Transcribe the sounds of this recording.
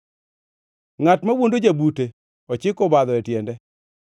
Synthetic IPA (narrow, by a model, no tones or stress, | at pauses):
ŋatmawondod͡ʒabute | ɔt͡ʃɪkɔbad̪ɔɛtjɛndɛ